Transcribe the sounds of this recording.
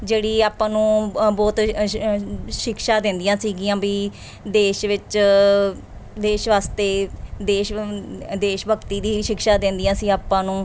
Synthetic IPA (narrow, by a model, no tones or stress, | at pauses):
d͡ʒeːɽiːaːpãːnũːbɔːt̪ | ʃɪkʃaːd̪ẽːnd̪ijãːsiːɡijãːbiː | d̪eːʃʋɪt͡ʃ | d̪eːʃʋaːst̪eːd̪eːʃd̪eːʃbəkt̪iːd̪iːʃɪkʃaːd̪ẽːnd̪ɪjãːsiːaːpːãːnũː